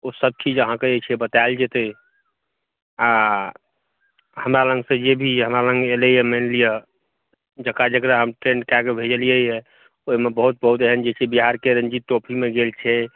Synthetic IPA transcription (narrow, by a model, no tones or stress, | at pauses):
osəb̚t͡ʃid͡ʒəɦãkeet͡ʃʰɛbət̪aeld͡ʒet̪e | a | həmɾalə̃ŋɡsẽd͡ʒebʱiɦəmɾalə̃ŋɡeləjəmenlijə | d͡ʒəkad͡ʒəkɾəɦəmʈɾẽɳɖkakebʱed͡ʒəlijəɛ | oɦmebəɦut̪̚bəɦut̪əɦənd͡ʒet͡ʃʰɛbiɦaɾkeɾə̃nd͡ʒit̪ːopʰimeɡelt͡ʃʰɛ